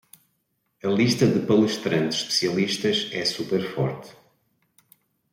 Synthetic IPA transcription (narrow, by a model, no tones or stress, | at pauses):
ɐlˠiʃt̪ɐðɨpɐlˠɨʃt̪ɾɐ̃nt̪z̥ʃpɨ̥siɐlˠiʃt̪ɐʃɛsupɛɾfɔ̰ɾt̪